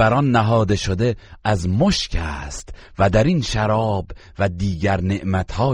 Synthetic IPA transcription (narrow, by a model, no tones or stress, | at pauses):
æɾɒnːæɦɒːd̪eʃod̪e̞æzmoʃcʰæːst̪væd̪æɾinʃæɾɒːbvæd̪iːɡæɾneʔmæt̪ʰhɒː